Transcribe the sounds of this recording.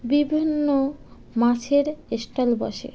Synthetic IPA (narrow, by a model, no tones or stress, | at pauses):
bibʱinːo | mat͡ɕʰeɾesʈalbɔ̰ʃḛ